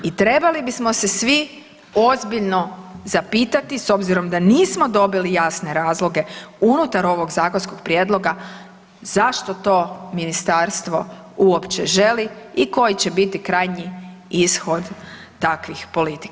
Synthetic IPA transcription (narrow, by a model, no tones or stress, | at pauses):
it̪ɾe̞balibismo̞se̞sʋi | o̞zbiʎno̞zapiːt̪at̪iso̞bziɾo̞md̪aniːsmo̞d̪o̞bilijasne̞ɾaːzlˠo̞ɡe̞unut̪aɾo̞ʋo̞ɡzaːko̞nsko̞ɡ̚pɾjed̪lˠo̞ɡa | zaʃt̪o̞t̪o̞ːminist̪aɾst̪ʋo̞̰ | uopt͡ɕe̞ʒe̞liiko̞jit͡ɕe̞bit̪ikɾajɲiisxo̞d̪ː | akʋixpo̞lit̪i̥k